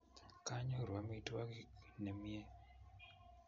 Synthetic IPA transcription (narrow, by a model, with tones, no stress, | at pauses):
ka˦ɲɔ˦ɾwa˨mi˦twa˦ki˦nɛ˨mje˦